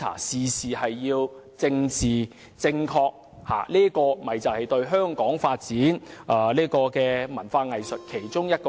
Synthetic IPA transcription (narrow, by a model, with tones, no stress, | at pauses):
a̰ː˨˩siː˨siː˨hɐ˨jːiː˧w | t͡sɪ˧ŋt͡siː˨ | t͡sɪ˧ŋkʰɔː˧k̚ | ha̰ː˨˩liː˥kɔː˧mɐ˨jt͡sɐ˨whɐ˨jt̪ɵ˧ɥɦœː˥ŋkɔː˨˥ŋfaː˧t̚t͡siː˨˥nʔɐ˨˧liː˥kɔː˧kɛː˧mɐ˨˩nfaː˧ŋɐ˨jsɵ˨t̚kʰe˨˩jt͡sʊ˥ŋjɐ˥t̚kː